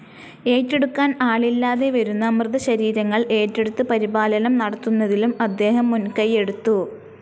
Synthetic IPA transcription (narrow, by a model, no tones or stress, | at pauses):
e̞ːtːe̞ɽukːaːnaːɭilːaːðe̞ʋɐɾunːɐmrɨðɐɕɐɾiːɾɐŋːɐɭe̞ːtːe̞ɽut̪ːɨpɐɾibaːlɐnɐmnɐɽɐt̪ːunːɐðilumɐd̪ːe̞ːɦɐmːunkɐje̞ɽut̪ːu